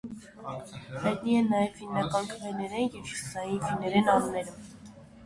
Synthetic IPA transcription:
hɑjt̪niɛnnːɑjɛvːinːɑkɑnt̪ʰəvɛnɛɾɛnjɛvʃə̥sɑjinvinːɛɾɛnɑnunɛɾu

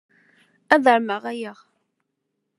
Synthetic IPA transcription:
æðəɾməʁæjəʁ

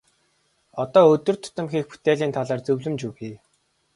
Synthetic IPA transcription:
ɔt̪ɔːɵt̪ɵ̆rt̪ʰʊ̥t̪ə̆mxiːxpu̥t̪ʰeːɮiːnt̪ʰaɮaːrt͡sɵwɮɵ̆mt͡ɕuxiː

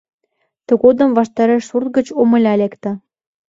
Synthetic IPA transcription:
t̪ə̆ɣod̪ə̆mvɑʃt̪ɑɾeʃsurt̪̚ɣə̆t͡ɕomə̆lʲɑlʲekt̪ə̆

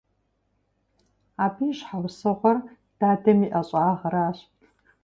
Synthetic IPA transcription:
aːbiːʃħawsɨʁʷɐr | d̥aːdɐmiʔɐɕʼaːʁɐɾaːɕtʰ

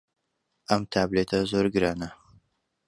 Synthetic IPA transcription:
ʔɐmt̪ʰaːblet̪ʰɐzoɾɡɨɾaːnɐ

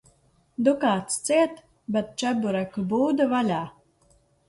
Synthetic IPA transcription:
d̪ukaːt̪st̪siɛt̪ | bɛt̪̚t͡ʃæbuɾakbuːd̪ɨvalʲaː

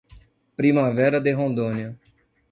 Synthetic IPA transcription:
pɾimavɛɾɐd̪eɦõnd̪õniɐ

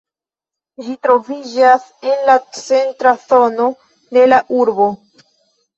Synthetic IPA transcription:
d͡ʒitɾo̞vid͡ʒase̞nlat͡se̞ntɾaθo̞no̞ | de̞laʔuɾbo̞

